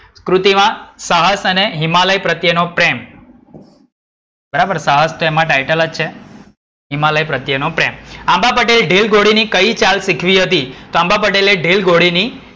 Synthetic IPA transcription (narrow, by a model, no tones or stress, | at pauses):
skɾut̪imãsaɦəsəneɦɪmaləjpɾət̪jənopɾem | bəɾabəɾsaɦəst̪oemãʈajʈələt͡ʃʰe | ɦɪmaləjpɾət̪jənopɾemambapəʈelɖelɡoɽinikəit͡ʃalsikʰʋiɦət̪it̪oãmbap̬əʈeleɖelɡoɽini